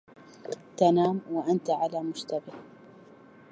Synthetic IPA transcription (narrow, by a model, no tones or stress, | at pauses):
t̪anaːmwaʔant̪aʕalaːmʊʃt̪abɪh